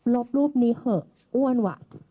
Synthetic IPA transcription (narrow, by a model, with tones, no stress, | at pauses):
lo˦˥p̚luː˥˩p̚niː˦˥hɤ˧˩ | ʔu˥˩ənwa̰ː˧˩˨